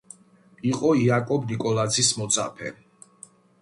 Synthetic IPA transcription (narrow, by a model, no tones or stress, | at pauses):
iqʼɔiakʼɔbnikʼɔlˠazismɔt̪sʼa̰pʰɛ̰